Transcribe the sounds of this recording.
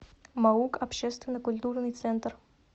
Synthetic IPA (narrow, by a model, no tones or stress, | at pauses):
maukapɕɛst̪vʲenəkulʲt̪urnɨjt̪sɛnt̪r